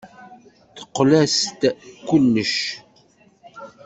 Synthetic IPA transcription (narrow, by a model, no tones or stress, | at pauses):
θə̥qːlæst̪kːʊlːəʃ